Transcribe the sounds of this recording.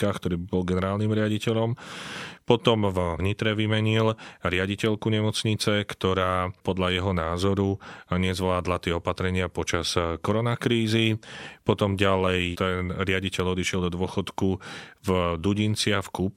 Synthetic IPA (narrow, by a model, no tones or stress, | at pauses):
kaːxkt̪ɔɾiːbibɔlɡɛnɛɾaːlnimɾɪaɟicɛʎɔmpɔt̪ɔmvvɲit̪ɾɛʋimɛɲilɾɪaɟicɛʎkuɲɛmɔt͡sɲit͡sɛkt̪ɔɾaːpɔd̪ʎajɛɦɔnaːzɔɾuɲɛzʋlaːd̪lat̪ɪɛɔpat̪ɾɛɲɪapɔt͡ʃaskɔɾɔnakɾiːzipɔt̪ɔmɟalɛjt̪ɛnɾɪaɟicɛʎɔd̪iʃɪɛld̪ɔd̪ʊɔxɔt̪kuvd̪uɟint͡sɪafkup